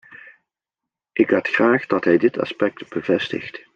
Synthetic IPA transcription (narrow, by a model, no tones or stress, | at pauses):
ʔɪkʋatχraːχdɑtɦɛjdɪtɑ̰spɛk̚tb̥əvɛstɪ̰χt